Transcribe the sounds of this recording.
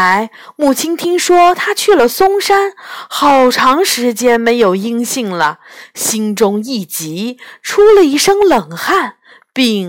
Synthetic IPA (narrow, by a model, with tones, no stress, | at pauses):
a˧˥ɪ | mu˨˩t͡ɕʰi˥nt̪ʰi˥ŋʂwɔ˥t̪ʰa˥t͡ɕʰy˥˩lə˩sʊ˥ŋʂa˥nxɑ˨˩ʊʈ͡ʂʰɑ˧˥ŋʂɻ̩˧˥t͡ɕjɛ˥nme˧˥ɪjo˨˩ʊi˥ŋɕi˥˩ŋlə˩ɕi˥ŋʈ͡ʂʊ˥ŋi˥˩t͡ɕi˧˥ʈ͡ʂʰu˥lə˨i˥˩ʂɤ˥ŋlɤ˨˩ŋxa˥˩n | pi˥˧ŋ